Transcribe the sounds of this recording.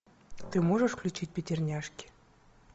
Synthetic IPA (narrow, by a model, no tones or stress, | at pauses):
t̪ɨmoʐəʂklʲut͡ɕit̚ʲpʲetʲɪrnʲæʂkʲi̥